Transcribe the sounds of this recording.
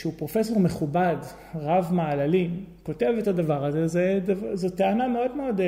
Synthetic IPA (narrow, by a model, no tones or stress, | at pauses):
ʃeupʁo̞fe̞so̞ʁmeχubad | ʁavmaalalimko̞tevetadavaʁazezeazoteanameo̞dmeo̞d